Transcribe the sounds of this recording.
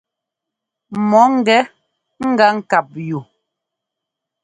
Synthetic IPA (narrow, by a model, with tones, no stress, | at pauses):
mɔ˨˦ŋ̩˦˨ɡɛ˨˦ | ŋ̩˦ɡa˦ŋ̩˦˨ka˨p̚ju˨